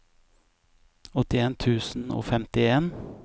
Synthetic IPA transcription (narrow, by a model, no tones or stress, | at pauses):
ɔt̪ɪeːnt̪ʰʉːsn̩o̰ːfɛmt̪ɪeːn